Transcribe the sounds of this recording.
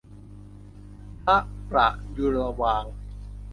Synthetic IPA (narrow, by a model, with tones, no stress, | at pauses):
p̪ʰa˦˥ʔpɾa̰˨˩ʔju˧ɾa˧waː˧ŋ